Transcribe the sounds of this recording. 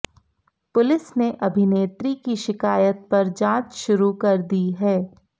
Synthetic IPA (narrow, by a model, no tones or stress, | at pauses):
pʊlɪsneʔɐbʱɪneːt̪ɾikiʃɪkaːjət̪̚pɐɾd͡ʒãːt͡ʃʃʊɾukɐɾd̪iɦɛː